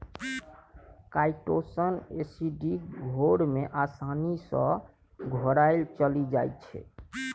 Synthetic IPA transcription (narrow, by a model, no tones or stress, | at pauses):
kajʈosənesiɖikɡʱoɾmeʔasanisə̰̃ | ɡʱɔɾaɪlt͡ʃəlid͡ʒajtt͡ʃʰɛ̰